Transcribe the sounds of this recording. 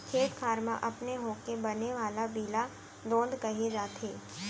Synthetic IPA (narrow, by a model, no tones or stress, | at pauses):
kʰeːk̪kʰaːɾmã̰ʔɐpneɦõːkebɐneʋaːlabiːla | d̪õːnd̪kɐɦed͡ʒaːt̪ɦeː